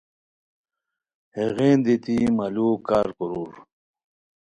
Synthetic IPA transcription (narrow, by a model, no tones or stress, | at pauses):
heɣeːnd̪it̪imalukaːɾkuɾuːɾ